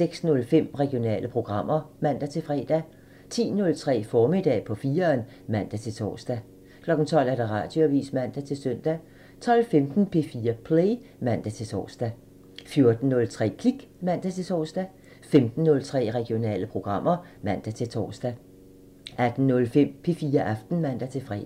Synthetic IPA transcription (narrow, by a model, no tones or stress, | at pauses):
seɡ̥snɔ̽lfem̰ʁɛɡ̥io̝nɛ̰ːlʔəpʰʁo̝ɡ̥ʁɑ̈m̰ɐmæn̰d̥æt͡sʰe̝lfʁɛːd̥æ | t͡sʰḭːnɔ̽lt͡sʰʁɛ̰ːfɒːmid̥ɛ̰ːpʰɒ̽fiːɐːn | mæn̰d̥æt͡sʰe̝lt͡sʰɒ̰ːsd̥æ | kʰlɒ̽ɡ̥n̩t͡sʰɒ̽l̰æɐd̥ɑ̈ʁɑ̰̈ːd̥joæʋḭːsmæn̰d̥æt͡sʰe̝lsøn̰d̥æ | t͡sʰɒ̽lfemd̥n̩pʰe̝fiːɐpʰleɪmæn̰d̥æt͡sʰe̝lt͡sʰɒ̰ːsd̥æ | fjo̝ɐd̥n̩ːɔ̽lt͡sʰʁɛ̰ːkʰliɡ̥mæn̰d̥æt͡sʰe̝t͡sʰɒ̰ːsd̥æ | femd̥n̩ːɔ̽lt͡sʰʁɛ̰ːʁɛɡ̥io̝nɛ̰ːləpʰʁo̝ɡ̥ʁɑ̈m̰ɐ | mæn̰d̥æt͡sʰe̝lt͡sʰɒ̰ːsd̥æ | ʔæd̥n̩nɔ̽lfem̰pʰe̝fiːɐʔɑfd̥n̩mæn̰d̥æt͡sʰe̝fʁɛ̰ː